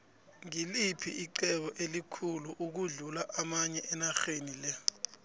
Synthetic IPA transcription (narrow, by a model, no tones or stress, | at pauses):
ŋilipʰiʔiǃɛɓɔʔelikʰuluʔuk̬uɮulaʔamaɲɛʔɛnaxenilɛ